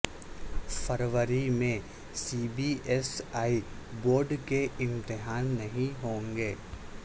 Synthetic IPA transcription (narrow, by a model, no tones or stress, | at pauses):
fəɾʋəɾimẽ | siːbiɛsaːi | boːɾɖkeʔɪ̃nt̪ɪɦaːnːɐɦĩɦõːŋɡeː